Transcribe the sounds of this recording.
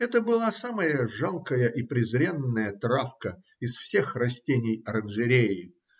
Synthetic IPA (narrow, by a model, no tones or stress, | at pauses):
ɛt̪əbɨlˠasaməjəʐalˠkəjəʔipɾʲɪzɾʲenːəjət̪ɾafkə | ɪsfsʲe̞xrɐsʲtʲenʲɪjɐɾənʐɨɾʲejɪ